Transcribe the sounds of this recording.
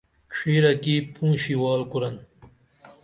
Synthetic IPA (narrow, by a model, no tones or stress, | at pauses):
kʰiːɾɐkipʰũːɕiwɑːlkuɾɐn